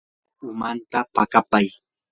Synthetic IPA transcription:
ʊmant̪apakapaj

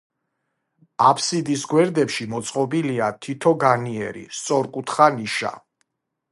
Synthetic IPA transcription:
apʰsid̪isɡwɛɾd̪ɛpʃimɔt̪sʼqʼɔbiliat̪ʰit̪ʰɔɡaniɛɾḭst̪sʼɔɾkʼut̪ʰχaniʃa̰

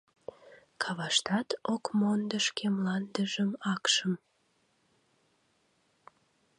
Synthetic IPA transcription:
kʰɑβɑʃt̪ɑt̪okmond̪əʃkemlɑnd̪əʒəmɑkʃəm

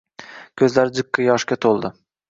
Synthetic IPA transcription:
kʲʰɵzlaɾɪd͡ʒɨkːɨjɒʃkʲat̪ʰolˠd̪ɪ

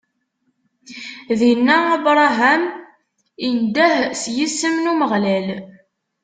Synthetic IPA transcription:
ðinːææbɾˤɑɦæm | ind̪æhsjisːəmnuməʁlæl

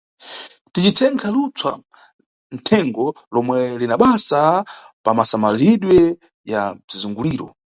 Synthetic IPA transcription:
tit͡ʃit͡sʰɛŋkʰalut͡sʰwa̰ | n̩tʰɛŋɡɔ | lɔmwɛlinaɓasa | pamasamaliɗwɛ | jazizuŋɡuliːɾɔ̰

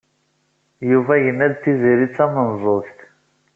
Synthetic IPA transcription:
juvæjənːæðθiziɾit͡sːæmənzˤoθt̪

